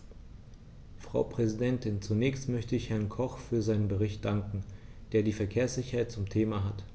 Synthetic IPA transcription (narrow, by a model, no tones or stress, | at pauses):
fʁ̥a̰ʊpʁ̥ɛzidɛntɪnt͡sunɛːçstmœçtəɪçhɛɐnkʰɔχfyːɐzaɪnənbəʁ̞ɪçt̚d̥aŋkŋ̩d̥eːɐdiːfɛɐkʰeːɐsz̥ɪçɐhaɪt̚t͡sʊmtʰeːmaɦat